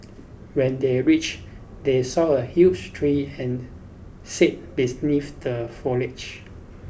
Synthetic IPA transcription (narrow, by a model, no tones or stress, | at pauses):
wɛ̃ndeɹit͡ʃ | desɔəhut͡ʃtʰɹiɛ̃n | sit̚binifdəfɔlɪt͡ʃ